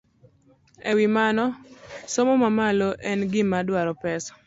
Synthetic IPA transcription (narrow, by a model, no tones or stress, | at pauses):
ewimanɔsomomamaloʔɛnɡɪmadwaɾɔpɛsɔ̥